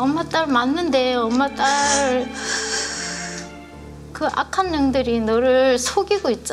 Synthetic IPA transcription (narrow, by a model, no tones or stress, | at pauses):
ʌmːat͈aɭmanːɯnde̞ʌmːat͈ʼaɭ | kɯʔa̰kʰanːɯŋdɯɾinʌɾɯsʰoɡiɡoit̚t͡ɕ͈a